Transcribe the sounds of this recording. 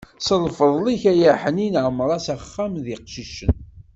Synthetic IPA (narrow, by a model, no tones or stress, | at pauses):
səlfəðˤliçæjaħəninʕəmːəɾˤɑsæχːæmðɪqʃiʃən